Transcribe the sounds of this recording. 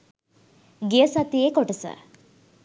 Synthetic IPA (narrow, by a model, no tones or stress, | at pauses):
ɡijəsat̪ijekoʈəsə̰